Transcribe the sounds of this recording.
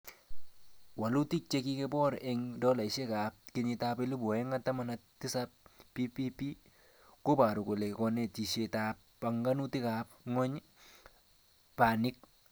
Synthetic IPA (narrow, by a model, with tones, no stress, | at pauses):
wa˨lu˦ti˦t͡ʃe˦ki˦ke˦bɔ˦ɾɛ˨ŋdɔ˦la˨ɪ˨ʃe˦ka˨p̚kɪ˦ɲɪ˧ta˦pe˦lɪ˦bɔ˨ɛ˦ŋa˦tːa˦ma˨na˦tɪ˦sa˦p̚pi˦pi˦pi˦ | ko˦ba˨ɾu˨ko˨le˨kɔ˦ne˨ti˨ʃe˨ta˨˦p̚ | pa˨ŋɡa˦nu˦tɪ˦ka˨p̚ŋɔ˦ɲ | pa˨nɪ˦k̚